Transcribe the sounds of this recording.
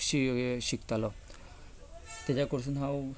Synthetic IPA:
ʃiɡeʃikt̪alɔ | t̪ed͡ʑakoɾs̬ʰunɦaw

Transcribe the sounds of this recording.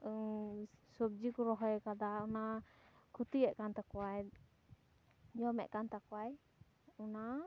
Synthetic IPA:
sɔb̚d͡ʒikɔɾɔɦɔjkad̪aɔna | kʰut̪iɛʔkant̪akɔwaj | d͡ʒɔmɛ̰ʔkant̪akɔwaj | ɔna

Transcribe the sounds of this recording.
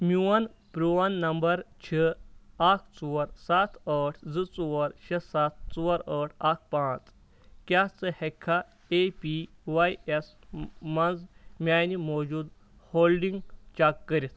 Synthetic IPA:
mʲuwɐnpɾuɐnːɐmbɐɾt͡ɕʰəakʰt͡suɾsat̪ʰəʈʰd͡zɨt͡suʋɔɾɕɐsat̪̚ʰt͡suɐɾəʈʰak̚ʰpãːt͡s | kʲat͡sɨhekʰːa | epiʋajes | mɐnzmʲaːjnimod͡ʒuːd̪ | holɖiŋɡt͡ʃakːəɾit̪ʰ

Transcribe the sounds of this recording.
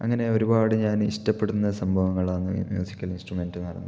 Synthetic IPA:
ɐ̰ŋːɐne̞o̞ɾubaːɽɨɲaːniʂtɐpːe̞ɽunːɐsɐmbʱɐʋɐŋːɐɭaːnːɨmjṵːsikʲːɐlinsʈrume̞ndɨnɐɾɐnːu

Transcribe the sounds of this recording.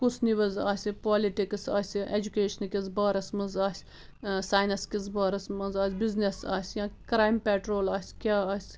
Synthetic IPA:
kusʰniʋɐzaːsʲipaːliʈiksa̰ːsʲiʔed͡ʒukʲeːʃɐnkʲizbaːɾɐsmɐnzaːsʲ | saːjnɐskʲizbaːɾɐsmɐnzaːsʲbiznesa̰ːsʲjãːkɾaːjmpeːʈɾoːlaːsʲkʲaːaːsʲ

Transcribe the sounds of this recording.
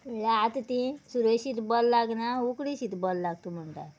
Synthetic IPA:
lat̪t̪ĩsuɾəɕit̪bɔlːaɡnaukɽiɕit̪bɔllaɡ̚t̪um̤əɳʈ̪a̰t

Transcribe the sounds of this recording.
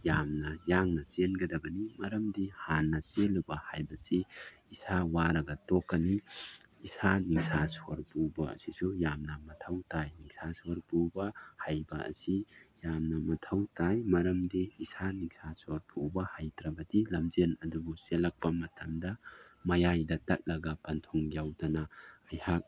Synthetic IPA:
jamnɐjaŋnɐsenɡɐdɐbɐnimɐɾɐmdihanːɐselubɐhajbɐsiisawaɾɐɡɐtokːɐni | isaniŋsʰasoɾpubɐɐ̰sisujamnɐmɐtʰɐwtajniŋsʰasoɾpubɐhajbɐɐ̰sijamnɐmɐtʰɐwtajmɐɾɐmdiisaniŋsʰasoɾpʰubɐhajtɾɐbɐdilɐmzenɐdubuselɐk̚pɐmɐtʰɐmdɐmɐjajdɐtɐt̚lɐɡɐpɐntʰuŋɡjawdɐnɐɐjhak̚

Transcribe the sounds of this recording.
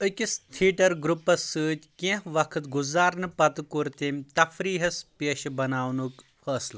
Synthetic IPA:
ɨkʲist̪ʰiːʈɐɾɡɾupːɐsːɨːt̪ʲkẽɦʋɐkʰɨt̪ɡuzaːɾnɨpɐt̪ɨkuɾt̪emt̪ɐfɾiːɦɐspeːʃbɐnaːwnukfʰəːslɐ

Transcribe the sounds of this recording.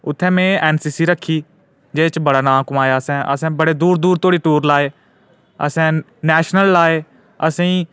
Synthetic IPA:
ʊt̪ʰːɛ̃ːmẽːɛːnsiːsiːɾəkʰːiː | d͡ʒeːt͡ʃbəɽaːnãːkʊmaːjaːəsɛ̃ːʔə̰sɛ̃ːbəɽeːd̪uːɾd̪uːɾt̪oːɽiːʈuːɾlaːeː | ə̰sɛ̃ː | nɛːʃnəlːaːeː | əsẽĩː

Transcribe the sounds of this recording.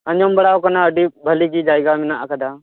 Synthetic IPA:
əɲɔmbəɽakanaəɖibʱəliɡid͡ʒajɡaminaʔkəd̪a

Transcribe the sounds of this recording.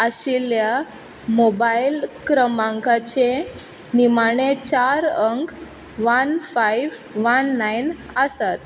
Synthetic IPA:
əɕilja | mobailkɾəmãŋkat͡ɕe | nimaɳ̃et͡ɕaɾəŋk | ʋanfajʋʋənːajn | əsat̪̚

